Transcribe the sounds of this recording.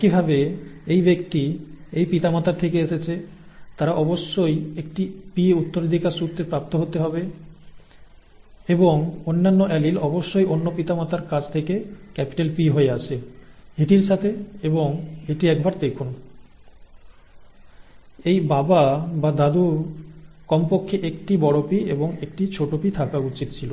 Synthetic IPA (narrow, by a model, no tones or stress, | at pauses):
kibʱabeejbekt̪iejpit̪amat̪aɾt̪ʰekeeʃet͡ɕʰet̪aɾaʔɔboʃːojek̚ʈipieut̪ːoɾed̪ʱikaɾʃut̪ːɾepɾap̚t̪oɦot̪eɦɔbe | eboŋonːanːoʔɛlilɔboʃːojonːopit̪amat̪aɾkad͡ʑʰt̪ʰekekɛpi̥ʈelpiɦoeat͡ɕʰeeʈiɾʃat̪ʰeeboŋeʈiɛkbaɾd̪ekʰun | ejbababad̪ad̪u | kɔmpokʰːeʔekʈibɔɽopiḛboŋekʈit͡ɕʰoʈopit̪ʰakaut͡ɕit̪t͡ɕʰilo